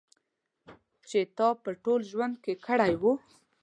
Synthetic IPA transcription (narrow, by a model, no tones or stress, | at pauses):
t͡ʃet̪ɑpəʈolʒwand̪̚kekəɽajwu